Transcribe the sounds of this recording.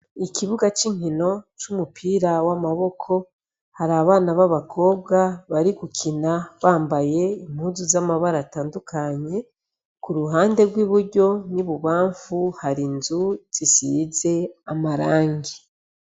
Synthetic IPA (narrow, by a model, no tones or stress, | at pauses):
ikiβuɡat͡ʃiŋ̥ino̞t͡ʃumupʰiːɾawamaβo̞kʰo̞ | haɾaβaːnaβaβakʰo̞ːb̚ɡaβaɾiɡucʰinaβaːmbaje̞im̥huːzuzamaβaɾataːndukʰaɲe̞ | kuɾuɦaːnde̞ɾɡwiːβuɾɟo̞niβuβaːɱfuhaɾinzuz̥isize̞amaɾaːŋɡi